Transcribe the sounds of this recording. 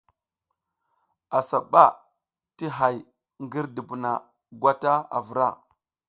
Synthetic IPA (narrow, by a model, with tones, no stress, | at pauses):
a˨sa˨ɓa˦ | ti˦ɦa˨j | ŋɡi˦ɾdi˨bu˨na˨ | ɡʷa˦ta˦a̰˨vu˨ɾa˦˨